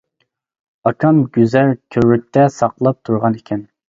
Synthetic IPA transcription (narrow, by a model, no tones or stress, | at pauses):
ɑkʰɑmɡʲyzælkʲʰøɾlyk̚ʲt̪ʰɛsɑqlˠɑp̚t̪ʰuɾʁɑnekʲʰɛn